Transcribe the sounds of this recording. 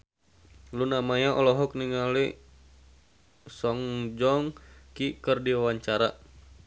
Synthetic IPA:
lunamaɲaʔɔlɔɦɔk̚niŋali | sɔŋd͡ʒɔŋkikərdiwawaɲt͡ʃaɾa

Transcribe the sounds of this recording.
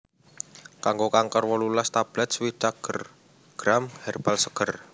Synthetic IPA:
kaŋɡokaŋkərwɔlulast̪ab̥lɛt̪̚swit͡ʃaɡ̥ər | ɡ̥ɾamhɛrb̥alsə̥ɡ̥ər

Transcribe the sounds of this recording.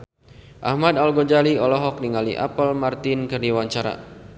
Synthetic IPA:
ʔahmad̪alɡɔd͡ʒaliɔlɔɦɔk̚niŋalḭʔa̰pəlmart̪ɪnkɨrdiwaɲt͡ʃaɾa̰

